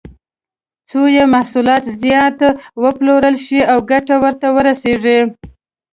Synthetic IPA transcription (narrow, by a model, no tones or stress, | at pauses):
t͡sojemahsulɑt̪zjɑt̪wəploɾəlʃiawɡaʈawəɾt̪awəɾaseʐi